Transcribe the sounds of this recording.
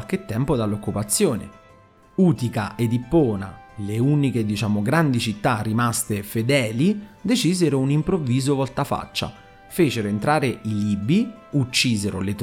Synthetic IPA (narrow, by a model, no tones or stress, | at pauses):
lk̟et̪ːɛmpod̪alːokːupat̪sːjoːnḛ | uːt̪ikaʔed̪ipːɔːna̰leuniked̪it͡ʃaːmoɡɾand̪it͡ʃit̪ːarːimast̪efed̪ɛːlid̪et͡ʃiːzeɾounimpɾovːiːzovɔlt̪afa̰t͡ʃːa̰ | feːt͡ʃeɾoent̪ɾaːɾeʔiliːbi | ut͡ʃːiːzeɾolet̪